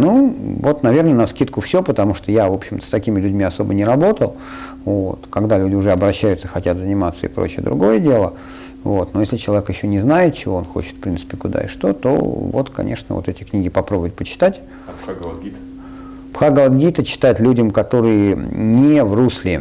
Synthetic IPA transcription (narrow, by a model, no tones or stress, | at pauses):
nuvo̞t̪nɐvʲe̞rnənɐfskʲit̪̚kʊfsʲopət̪ɐmuʂt̪ojavo̞pɕɪmt̪ə̥st̪ɐkʲimʲɪlʲʉdʲmʲiɐso̞bənʲɪɾɐbo̞t̪əlˠ | vo̰t̪kɐɡd̪alʲʉdʲɪʊʐɛɐbɾɐɕːæjʊt̪səxɐtʲat̪zənʲɪmat̪səɪ̰pɾo̰t͡ɕɪə̰d̪ɾʊ̰ɡo̞jədʲe̞lˠə | vot̪nojesʲlʲɪt͡ɕɪlˠɐvʲekjɪɕːonʲɪznajɪt̪̚t͡ɕɪvo̞onxo̞̰t͡ɕɪt̪fpɾʲint̪sɨ̥pʲɪkʊd̪a̰ɪ̰ʂt̪o̞̰t̪o̰vo̰t̪kɐ̰nʲʔe̞̰ʂnəvot̪ɛtʲɪknʲiɡʲɪpɐpɾobʊvət̚ʲpət͡ɕɪ̥t̪atʲ | ɡ̪ʲ | pxaɡəvˠət̪ɡʲit̪ət͡ɕɪ̥t̪at̪ʲlʲudʲəmkɐt̪o̞ɾɨjənʲɪvruslʲɪ